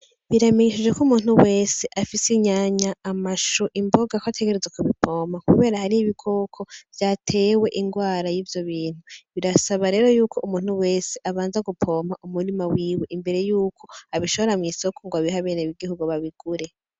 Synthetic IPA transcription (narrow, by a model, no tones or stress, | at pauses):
βiɾame̞ɲiʃid͡ʒwe̞kumuːn̥huwe̞ːse̞ʔafiseɲaɲaːmaʃuʔimbo̞ɡakoatʰe̞ɡe̞ɾezekuβipʰo̞ːmakuβe̞ːɾahaɾiiβikʰo̞ːkʰo̞v̥jaːtʰe̞ːwe̞ʔiŋɡwaːɾajiːvjo̞βiːn̥huβiɾasaβaɾe̞ːɾo̞juːkʰo̞umuːn̥huwe̞ːseʔaβaːnzaɡupʰo̞ːmaʔumuɾimawiːweʔimbe̞ɾe̞juːkʰo̞aβiʃo̞βo̞ɾamŋiːsokoŋɡwaβiɦaβe̞ːneβiɡihuɡuβaβiɡ̥uɾe̞